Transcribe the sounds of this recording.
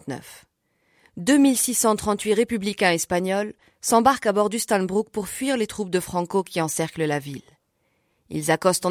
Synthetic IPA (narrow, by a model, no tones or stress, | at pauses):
nœ̰f | d̪ømilsisɑ̃t̪χɑ̃t̪ɥiʁepyblikʲɛ̃ɛspaɲɔl | sɑ̃baʁkabɔʁd̪yst̪ãnbʁuk̚puʁfɥiʁlet̪χup̚d̪əfχɑ̃kokʲiɑ̃sɛʁkləlavil | ḭlzakɔst̪ɑ̃